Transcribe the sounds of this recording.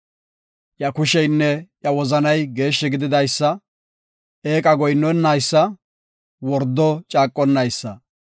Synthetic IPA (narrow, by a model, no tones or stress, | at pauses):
jɐkʊʃɛjnːɛjɐwɔzɐnɐjɡe̞ːʃːɛɡɪd̪ɪd̪ɐjsːɐ | eːkʼɐɡɔjnːɔnːajsːɐ | wɔɾd̪ːɔt͡ʃʼaːkʼːɔnːɐjsːɐ